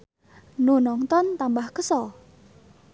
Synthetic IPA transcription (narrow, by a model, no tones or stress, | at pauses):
nunɔŋt̪ɔnt̪ambahkəsɔ